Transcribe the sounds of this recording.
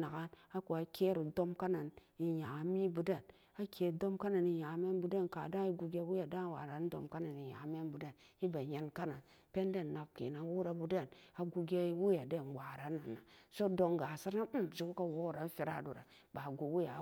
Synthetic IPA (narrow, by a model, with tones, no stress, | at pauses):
na˨ɡa˦na˦ku˨a˨ke˦ɾi˨do˦mka˦na˨n | i˨ja˨˦mi˦bu˨da˦˨n | a˦kʰe˨do˦mka˦na˨ni˨ja˨˦me˦nbu˨da˦nka̰˨da˦i˦ɡu˧ɡʲe˦wu˦ja˨da˦wa̰˨ɾa˨˦n̩˦do̰˨mka˦na˨ni˨ja̰˨˦me˦nbu˨da˦˨n | i˦ba˨ɲe˨nka˦na˨n | pe˦n˦de˦nːa˨kkḛ˨na˨wu˦ɾa˨bu˨da˦˨na˨ɡu˦ɡʲe˦wu˦ja˨de˦˨nwa˨ɾa˨˦na˨nːa˨so˦do˧ŋɡa˨si˦ɾna˦˨d͡ʒu˨ku˦ka˦wo˦˨ɾa˨˦fi˨ɾa̰˦˨du˨ɾa̰˨ | ba˨ɡu˨wu˦ja˨˦